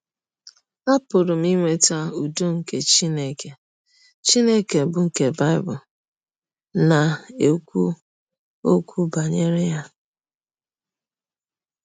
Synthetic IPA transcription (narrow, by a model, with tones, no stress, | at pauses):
a˦pʊ˨ɾʊ˨m̩˦i˦ŋʷe˦ta˦u˨do˦ŋ̩˦ke˨t͡ʃi˦ne˦ke˨ | t͡ʃi˦ne˦ke˨bʊ˨ŋ̩˦ke˨ba˦ɪ˦bʊ˨ | na˨e˨ku˦ | o˦kʷu˦ba˨ɲe˦ɾɪ˦ja˦